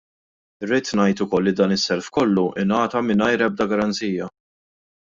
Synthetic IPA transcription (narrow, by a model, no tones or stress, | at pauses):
ɪrːɪːt̪nɐjt̪ʊkɔlːid̪ɐːnɪsːɛɾfkɔlːuʔɪ̰nɐːt̪ɐmɪnɐjɾɛb̚d̪ɐɡɐɾɐnt͡siːjɐ